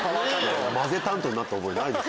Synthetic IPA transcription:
omazet̪ãnt̪oɲinat̪ːeoboenaid̪es

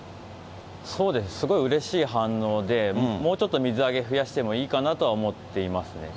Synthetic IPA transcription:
so̞ːd̪e̞sɨ̥sɨɡo̞iɯ̟ɾe̞ɕiːɦãnːo̞ːd̪e̞mo̞ːt͡ɕo̞t̪ːo̞mʲizɨaɡe̞ɸɯ̟jaɕi̥t̪e̞mo̞iːkanat̪o̞βaomo̞t̪ːe̞imasɨne̞̰

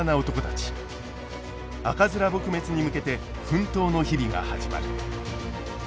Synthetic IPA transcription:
nao̞t̪o̞ko̞t̪at͡ɕi̥ | a̰kazɨɾabo̞kɯ̟me̞t͡sɨɲ̟imɯ̟ke̞t̪e̞ | ɸɯ̟̃nt̪o̞ːno̞çiɾʲiɡa̰ha̰ʑima̰ɾɯ̟

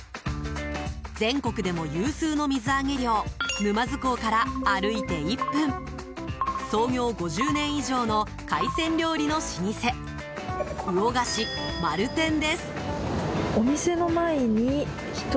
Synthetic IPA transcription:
d͡zẽ̞ŋko̞kɯ̟d̪e̞mo̞jɯːsɨːno̞mʲizɨaɡe̞ɾʲjo̞ːmɯ̟mazɨko̞kaɾaːɾɯ̟it̪e̞ipːɯ̟̃ɴ | so̞ːɡʲo̞ːɡo̞ʑɨːnẽ̞ɰ̃iʑo̞ːno̞ | kaisẽ̞ɲɾʲjo̞ːɾʲino̞ɕiɲ̟ise̞ | ɯ̟o̞ɡaɕi | maɾɯ̟t̪ẽ̞nd̪e̞sɨ̥ | omʲise̞no̞maeɲ̟i | çi̥t̪

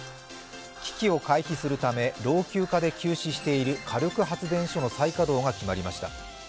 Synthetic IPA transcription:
kʲi̥kʲio̞kaiçisɨɾɯ̟t̪ame̞ɾo̞ːkʲɨːkad̪e̞kʲɨːɕiɕi̥t̪e̞iɾɯ̟kʰaɾokɯ̟ɦat͡sɨd̪ẽ̞ɰ̃ɕo̞no̞saikad̪o̞ːŋakʲimaɾʲimaɕi̥t̪a

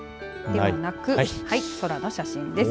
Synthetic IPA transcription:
d̪e̞onakɯ̟haiso̞ɾano̞ɕaɕĩnd̪e̞s

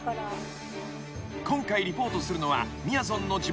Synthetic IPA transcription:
kõ̞ŋkaiɾʲipo̞ːt̪o̞sɨɾɯ̟no̞βa̰ | mʲiaz̬õ̞nːo̞d͡ʑi

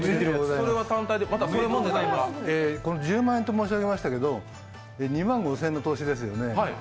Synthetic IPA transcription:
mɡozaiɾeβat̪ãnt̪aijd̪emat̪asoːjɯmõnd̪eaaeko̞nod͡ʑɨːmãɰ̃ent̪o̞mo̞ːɕiβaɡe̞maɕi̥t̪ake̞d̪o̞ | eɲ̟imãŋɡo̞sẽ̞nːot̪o̞ːɕid̪e̞s̬ɨjo̞ne̞ai

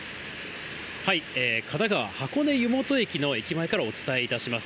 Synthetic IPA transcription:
haieːkʰanaɡaβa̰hako̞ne̞jɯ̟mo̞t̪o̞e̞kʲino̞e̞kʲimae̞kaɾao̞t͡sɨ̥t̪ae̞it̪aɕimasɨ̥

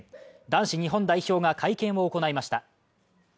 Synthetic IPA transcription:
d̪ãɰ̃ɕiɲ̟iɦõ̞nd̪aiço̞ːɡakʰaikẽ̞ɰ̃oːko̞naimaɕi̥t̪a

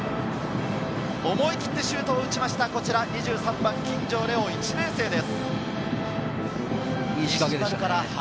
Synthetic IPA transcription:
o̞mo̞ikʲi̥t̪ːe̞ɕɨːt̪o̞ːɯ̟t͡ɕimaɕi̥t̪ako̞t͡ɕiɾaɲiʑɨːsãmbãŋkʲĩɲd͡ʑo̞ːɾe̞oit͡ɕinẽ̞ɰ̃se̞ːd̪e̞sɨ̥ | iikaɡed̪eãkaɾah

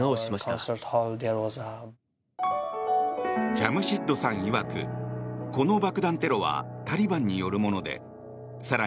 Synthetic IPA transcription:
aoɕimaɕit̪a̰səthɔld̪ɛwɔza | t͡ɕamɯ̟ɕit̪ːo̞sãɰ̃iβakɯ̰ko̞no̞bakɯ̟d̪ãnt̪e̞ɾo̞βa̰t̪aɾʲibãɲ̟ːijo̞ɾɯ̟mo̞no̞d̪e̞̰ | saɾa

